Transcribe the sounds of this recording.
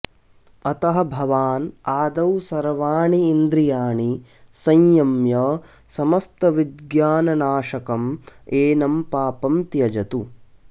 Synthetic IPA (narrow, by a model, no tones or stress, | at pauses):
ɐt̪ɐɦɐ̆bʱɐʋaːnaːd̪ɐwsɐɾʋaːɳiːnd̪ɾijaːɳi | sɐ̃jjɐmjɐ | sɐmɐst̪ɐʋid̪ɡjaːnɐnaːʃɐkɐmeːnɐmpaːpɐmt̪jɐd͡ʒɐt̪u